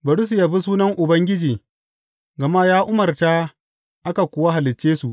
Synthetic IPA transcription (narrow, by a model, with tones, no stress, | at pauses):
bɐ˨ɽʊ˦s̬u˨ja˨ɸi˦suː˦nɐ˦ŋʔʊ˨bɐ˦ŋɡʲɪ˦d͡ʒiː˨ | ɡɐ˨ma˦jaː˦ʔʊ˦mɐ˨rta˦ | ʔa˦ka˨kʷʊː˨wa˦ɦa˨lɪ˨t͡ʃːeː˦su˨ʔ